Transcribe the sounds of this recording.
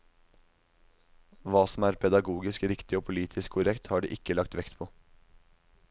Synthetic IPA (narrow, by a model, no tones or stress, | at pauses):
ʋɑːsɔm̩æːɾpʰɛd̪ɑɡuːɡɪskɾɪkt̪ɪoːpʰʊliːt̪ʰɪskkʰʊɾɛkt̪hɑːɖḭːʔɪkːəlɑk̚t̪ʋɛkt̪pʰoː